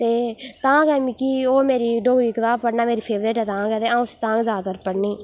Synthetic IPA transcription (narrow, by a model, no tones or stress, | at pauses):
t̪eːt̪ãːkɛːmiːkiːoːmeːɾiːɖoːɡɾiːkət̪aːpəɽnaːmeːɾiːpʰeːʋɾeːʈɦɛːt̪ãːɡɛːt̪eːãːũst̪ãːɡzaːd̪əɾpəɽniː